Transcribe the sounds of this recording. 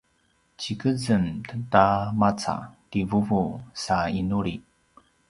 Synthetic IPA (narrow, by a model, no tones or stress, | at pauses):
t͡ɕikəzəntətamat͡sa̰tivuvusainuɾi